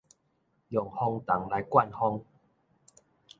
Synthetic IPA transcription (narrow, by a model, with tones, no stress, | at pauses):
jɔ˨˩ŋhɔ˧ŋt̪a˨˦ŋla˨˦jkwa˥˧˨nhɔ˧ŋ